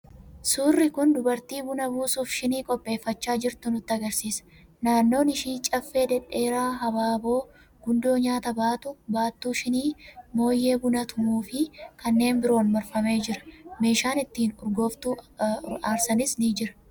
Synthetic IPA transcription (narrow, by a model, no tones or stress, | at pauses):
suːrːɪkʊnd̪ʊbɐɾt̪iːbʊnɐbuːsuːfʃɪniːkʼɔpʼːe̞ːfːɐt͡ʃːaːd͡ʒɪɾt̪ʊnʊt̪ːɪɐɡɐɾsiːsɐ̥ | naːnːo̞ːnɪʃiːt͡ʃʼɐfːe̞ːd̪ɛᶑe̞ːɾaːɦɐbaːbo̞ː | ɡ̥ʊnd̪o̞ːɲaːt̪ɐbaːt̪ʊbaːt̪ːuːʃɪniːmo̞ːjːe̞ːbʊnɐt̪ʊmuːfɪkɐnːe̞ːnbɪɾo̞ːnmɐɾfɐme̞ːd͡ʒɪɾɐ̥me̞ːʃaːnɪt̪ːiːnʊɾɡo̞ːft̪uːaːɾsɐnɪsniːd͡ʒɪɾɐ̥